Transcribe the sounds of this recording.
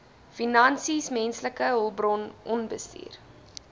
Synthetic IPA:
finɐnsismɛnsləkəɦɔlˠbrɔnʔɔnbəstḭːr

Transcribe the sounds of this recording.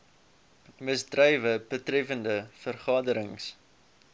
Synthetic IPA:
məsdrœjvəbətrɛfəndəfərχɑːdəɾəŋs

